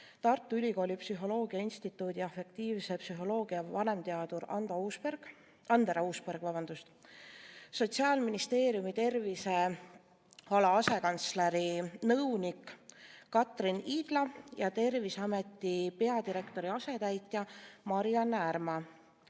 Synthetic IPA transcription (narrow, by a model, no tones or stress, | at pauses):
t̪ɑrt̪ːˑuylʲiɡo̞ːlʲipsyɦo̞lo̞ːɡ̥iɑinst̪it̪ːˑuːd̪̥iɑfe̞k̚t̪iːvse̞psyɦo̞lo̞ːɡ̥iɑvɑne̞mt̪e̞ɑd̪uɾɑnd̪ɑusperɡ̥ | ɑnd̪eɾɑuːspeɾɡ̥vɑbɑnd̪̥ust̪ | so̞t̪siɑːlminist̪e̞ːɾijumit̪e̞rvise̞ | hɑlɑɑse̞kɑnt̪sleɾinɤwnikː | ɑt̪ˑriniːd̪̥lɑjɑt̪e̞rvisɑme̞t̪ːˑipe̞ɑd̪iɾe̞kt̪o̞ɾiɑse̞t̪æjt̪ːˑjɑmɑɾijɑnærmɑ